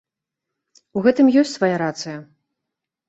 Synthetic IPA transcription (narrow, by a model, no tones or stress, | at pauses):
uɣɛt̪ɨmjɔsʲtʲsvajaɾat̪sɨjɐ